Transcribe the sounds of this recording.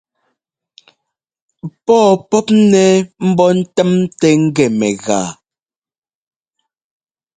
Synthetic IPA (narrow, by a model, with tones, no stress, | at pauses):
pɔː˦˨pɔ˦p̚nɛ˦m̩˦bɔ˦n̩˦tɛ˦m˦tɛ˦ŋ̩˦ɡɛ˨mɛ˨ɣaː˨